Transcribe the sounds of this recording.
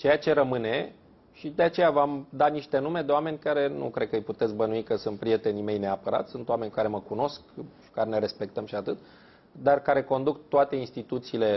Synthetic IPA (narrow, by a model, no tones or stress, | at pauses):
t͡ʃe̞jat͡ʃe̞ɾəmɨne̞ | ʃid̪e̞at͡ʃe̞javamd̪aniʃt̪e̞nume̞d̪e̞oame̞nʲkaɾe̞nṵkɾe̞d̪̚kəɨjput̪et̪sbənuikəsunt̪̚pɾije̞t̪e̞nime̞jne̞apəɾa̰t̪sʲsunt̪owame̞nʲkaɾe̞məkuno̞skʃi̥kaɾne̞ɾe̞spe̞k̚t̪əmʃiat̪ɨt̪ | d̪arkaɾe̞ko̞nd̪ukt̪oat̪e̞inst̪it̪ut̪siːle̞